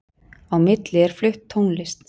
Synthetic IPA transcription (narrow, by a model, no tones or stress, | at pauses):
awmɪt̪lɪɛɾ̥flʏht̪ʰːownlɪst̪